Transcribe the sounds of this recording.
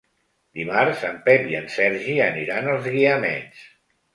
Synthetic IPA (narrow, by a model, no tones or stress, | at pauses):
d̪imaɾzəmpɛpiənsɛɾʒiəniɾanəlˠzɣiəmɛ̰ns